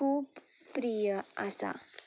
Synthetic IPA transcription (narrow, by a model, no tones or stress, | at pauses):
uːpː | ɾijəasa̰